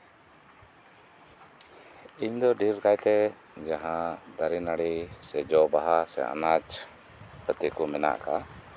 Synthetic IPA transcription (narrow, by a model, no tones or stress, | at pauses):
iɲd̪ɔɖiɾkajt̪ɛ | d͡ʒaɦãd̪aɾinaɽisɛd͡ʒɔbaɦasɛ̰a̰nad͡ʒ | pʰət̪ikɔmɛna̰ʔka